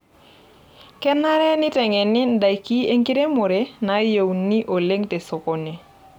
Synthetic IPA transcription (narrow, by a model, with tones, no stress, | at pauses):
kɛ˦na˦ɾɛ˦nɪ˦tɛ˨ŋɛ˨nɪ˦nda˨jki˦e˦ŋɡi˦ɾe˦mʊ˨ɾe˦na˨˦je˨wni˦ʔo˨le˦ŋte˨sɔ˨kɔ˨ne˨